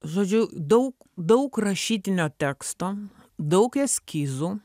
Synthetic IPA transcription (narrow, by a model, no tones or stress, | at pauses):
ʒoːd͡ʒʲʊd̪ɐʊk | d̪ɐʊkɾɐʃʲiːt̪ʲɪnʲoːt̪ʲæːkst̪oː | d̪ɐʊkɛsʲkʲiːzu